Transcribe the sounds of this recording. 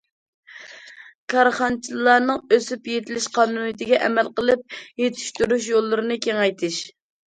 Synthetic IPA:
kʰɑɾχɑnt͡ʃʰillˠɑnɨŋøsypjet̪ʰɪlɪʃqʰɑnunɨt̪ɪɡʲɛʔɛmælqəlˠɨp̚jet̪ʰɪ̥ʃt̪yɾuʃjolˠːɨɾɨnɨkʲeŋɛjt̪ʰɪʃ

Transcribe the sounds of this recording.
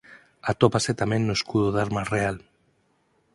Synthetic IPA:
at̪opaset̪amẽnːoeskuðoðaɾmasreal

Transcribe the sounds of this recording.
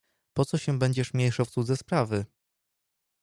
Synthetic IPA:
pɔt̪sɔɕɛbɛɲd͡ʑɛʂmʲjejʂawftsud̪zɛspɾavɘ

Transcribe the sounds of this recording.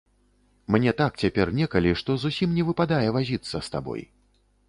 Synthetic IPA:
mnʲɛt̪ak̚t͡sʲapʲɛrnʲɛkɐlʲiʂt̪ɔzusʲimnʲɛvɨpad̪ajɛvazʲit̪sːɐst̪a̰bɔ̰j

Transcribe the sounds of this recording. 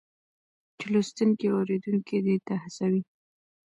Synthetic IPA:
t͡ʃɪlust̪uŋkiawɾed̪uŋkid̪et̪ahasawi

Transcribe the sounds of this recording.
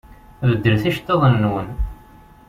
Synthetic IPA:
vəd̪ːəlθæʃt̪ːeðˤənːwən

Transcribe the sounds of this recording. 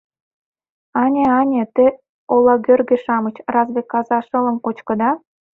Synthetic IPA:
ɑnʲeɑnʲet̪e | olˠɑɡʲørɡʲĕʃɑmɤ̆t͡ɕrɑzbʲekːɑzɑʃɤ̆lɤ̆mkot͡ɕkɤ̆d̪ɑ

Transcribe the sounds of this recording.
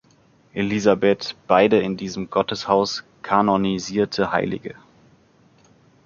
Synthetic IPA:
ʔelizabɛtb̥aɪdəɪndiːzəm̩ɡɔtəshaʊs | kʰanoniziːɐtʰəhaɪlɪ̰ɡə

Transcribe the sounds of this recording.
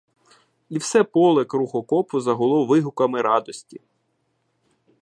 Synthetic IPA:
iwsɛpɔlˠɛkruxɔkɔpʊzɐɦɔlˠɔwʋɪɦʊkɐmɪɾɑd̪ɔsʲtʲi

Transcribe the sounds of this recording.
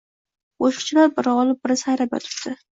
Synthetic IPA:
oʃɪ̥χt͡ʃʰɪlaɾbɪɾɒlˠɪp̚bɪɾɪsajɾap̚jɔ̰t̪ʰʊ̥pt̪ʰːɪ

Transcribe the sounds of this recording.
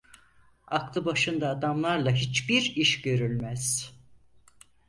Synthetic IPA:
aklˠɯbaʃɯnd̪aːd̪amlˠaɾlˠaɦit͡ʃbiɾiʃɟø̞ɾylʲmæz̥

